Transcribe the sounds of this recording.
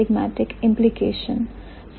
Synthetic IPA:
ɪɡmæ̰ʈɪkɪ̃mplikeːʃə̃n | s

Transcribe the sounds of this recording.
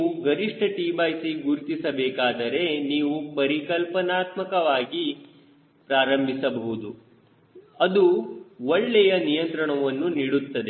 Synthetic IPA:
ɡɐɾiʂʈʰɐʈiːbaːjsiɡuɾt̪isɐbɛːkaːd̪ɐɾe̞niːʋupɐɾikɐlpɐnaːt̪mɐkɐʋaːɡi | pɾaːɾɐmbʱisɐbɐɦud̪u | ɐd̪uɔɭːɛjɐnijɐnt̪ɾɐɳɐʋɐnːuniːɽut̪ːɐd̪e

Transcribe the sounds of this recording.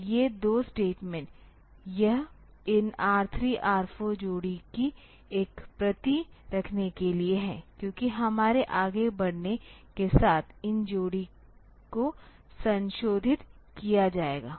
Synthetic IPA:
jed̪oːsʈeːʈmɛ̃ɳʈ | jɐɦ | ɪnaːɾt̪ʰɾiʔaːɾfʰõd͡ʒoːɽiki | eːkpɾɐt̪iɾɐkʰnekelieɦɛ̰̃ːkjõːkiɦɐmaːɾeʔaːɡebɐɽnekesaːt̪ʰɪnd͡ʒoːɽi | ko | sɐ̃nʃoːd̪ʱɪt̪ | kijad͡ʒaːḛːɡa̰ː

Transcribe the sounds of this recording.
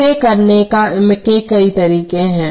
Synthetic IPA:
ekɐɾnekamẽkekɐit̪ɐɾiːkẽɦɛ̃ː

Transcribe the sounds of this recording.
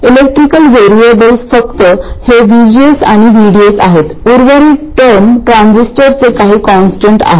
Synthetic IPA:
ilek̚ʈɾikəlʋeɾiebəlsfəkt̪əheʋid͡ʑiesa̰ɽ̃iʋiɽiesaɦet̪uɾʋəɾiːʈəɾmʈɾãnsisʈəɾt͡sekaɦiːkɔnsʈəɳʈa̰ɦe

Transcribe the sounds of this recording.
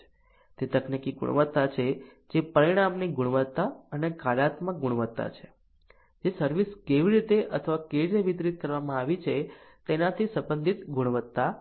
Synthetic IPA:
t̪et̪əknikiɡṵɽ̰̃ʋət̪ːat͡ʃʰe | d͡ʒepəɾiɽ̃amniɡuɽ̃ʋət̪ːaənekaɽat̪mãɡuɽʋət̪ːa̰t͡ʃʰe̥ | d͡ʒesəɾʋiskeʋiɾit̪eʔət̪ʰəʋakeɾɾəʋit̪ɾit̪̚kəɾʋamãaʋit͡ʃʰet̪enat̪ʰisəbənd̪ʱit̪ɡuɽ̃ʋət̪ːa

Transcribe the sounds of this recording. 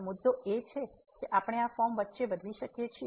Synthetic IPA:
mʊd̪ːoet͡ʃʰe | keʔapəɽ̃eafɔmʋət̪ːʃeʋəd̪ʱliʃəkjet͡ʃʰi

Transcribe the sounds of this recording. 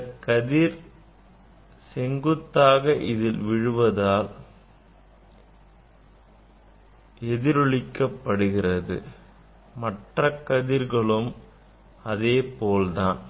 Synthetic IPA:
kːɐðiɾ | sɛŋɡɯt̪ːaːɣɐʔɪðɪlʋɪɻɯʋɐðaːl | ɛðɪɾɯɭɪkːɐpːɐɽɯɣɪrɐðɯ̰ | mɐʈrɐkːɐðɪɾɣɐɭɯm | ɐðeːpoːlt̪aːn

